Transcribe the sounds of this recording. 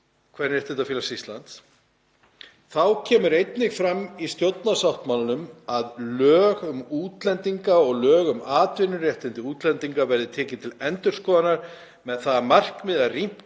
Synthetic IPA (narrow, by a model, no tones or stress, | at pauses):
kʰvɛɾnɛɾ̥t̪ɛnt̪afjiːlasist̪lant̪s | θawcʰɛːmʏɾejt̪nɪɣfɾamːist̪jowt̪nasawht̪malanʏmaðlœːɣʏmuːt̪lɛnt̪iŋkaɔɣlœːɣʏmaːt̪vɪnːʏrjɛht̪ɪnt̪ɪuːt̪lɛnt̪iŋkavɛɾðɪt̪ʰɛːcɪnt̪ʰɪlɛnt̪ʏɾ̥skɔːðanaɾ̥ | mɛðθaðamar̥kmɪðarim̥